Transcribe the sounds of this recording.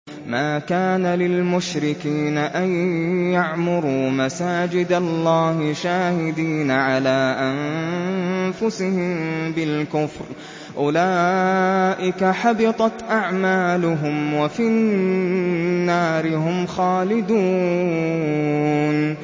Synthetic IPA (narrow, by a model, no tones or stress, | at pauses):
maːkaːnalɪlmʊʃɾɪkiːnaʔajːaʕmʊɾuːmasaːd͡ʒɪd̪alˤːɑːhɪʃaːhɪd̪iːnaʕalaːʔan | fʊsɪhɪmbɪlkʊfɾ | ʔʊlaː | ʔɪkaħɑbɪt̪ˤɑt̪ʔaʕmaːlʊɦʊmwafi | nːaːɾɪhʊmxaːlɪd̪uː | n